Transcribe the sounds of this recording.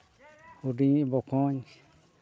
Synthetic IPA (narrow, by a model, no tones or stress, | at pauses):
uɾĩβokõɲi